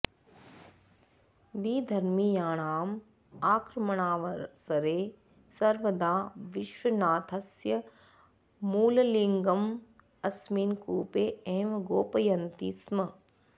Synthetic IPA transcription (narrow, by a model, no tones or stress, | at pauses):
ʋiːd̪ʱɐɾmijaːɳaːm | aːkɾɐmɐɳaːʋɐɾsɐɾeː | sɐɾʋɐd̪aːʋɪʃʋɐnaːt̪ʰɐsjɐ | muːlɐliŋɡɐm | ɐsmiːnkuːpeːeːmɡoːpɐjɐnt̪iːsmɐ